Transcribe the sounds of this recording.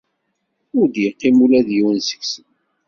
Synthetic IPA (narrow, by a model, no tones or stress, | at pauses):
ʊɾd̪jəqːimulæðjiwənsə̥ksən